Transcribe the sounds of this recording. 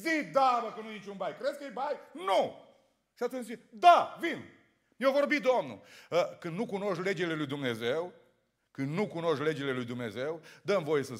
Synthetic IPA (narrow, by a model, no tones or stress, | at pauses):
zid̪abəkənujenit͡ʃunbajkɾeskejbajnu | ʃiat̪ezied̪avin | mjevo̞rbid̪omnṵəkɨnd̪nukuno̞ʃle̞d͡ʒele̞lujd̪umne̞zew | kɨnd̪nukuno̞ʃkle̞d͡ʒele̞lujd̪umne̞ze̞wd̪əmvo̞je̞sə